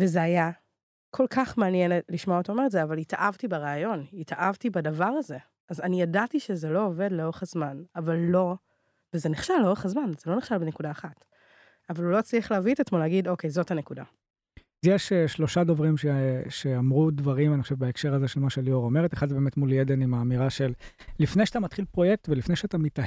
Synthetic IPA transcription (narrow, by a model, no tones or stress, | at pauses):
vezeaja | kʰo̞lkaχmeanjenliʃmootaomeetzeavalitaʔavtibeʁaːjo̞nitaʔavtibadavaʁaze̞ | azanijadatiʃezelo̞ove̞dleo̞ʁeχazmanavalːo̞ | vezeniχʃalːo̞ʁeχazmanzelo̞niχʃalbenekudaːχat | avalulo̞t͡sliaχleavitetmoleaɡidokejzo̞thanekuda̰ | zjeʃeʃlo̞ʃadovʁimʃeʃeamʁudvaʁimaniχoʃevbaekʃe̞ʁazeʃelmaʃeljoʁomeʁet̪eχad̪zebeːmetmuljedenimaːmiʁaʃe̞lːifnejʃat̪amat̪χilpʁo̞jek̚tvelifnejʃeat̪amita